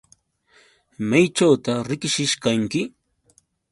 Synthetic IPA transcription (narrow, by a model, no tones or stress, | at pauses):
majt͡ʃawt̪aɾɪkɪʃɪʃkaŋkɪ